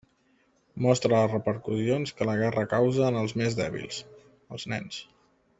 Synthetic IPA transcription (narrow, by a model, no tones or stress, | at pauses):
mɔst̪ɾəərəpəɾkuzionskələɣɛrəkawzəːnəlˠzmezðɛ̰βḭlˠs | əlˠznɛ̰ns